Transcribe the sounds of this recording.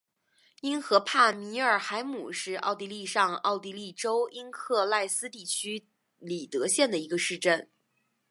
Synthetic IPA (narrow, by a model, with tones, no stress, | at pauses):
i˥nxɤ˧˥pʰa˥˩mi˧˥ə˞˨˩xa˧˥ɪmu˨˩ʂɻ̩˥˧ɑ˥˩ʊt̪i˧˥li˥˧ʂɑ˥˧ŋɑ˥˧˩ʊt̪̬i˧˥li˥˩ʈ͡ʂo˥ʊi˥nkʰɤ˥˧la˥˩ɪsɹ̩˥t̪i˥˩t͡ɕʰy˥ | li˨˩t̪ɤ˧˥ɕjɛ˥˩nd̪ə˩i˧˥ɡə˧ʂɻ̩˥˧ʈ͡ʂə˥˩n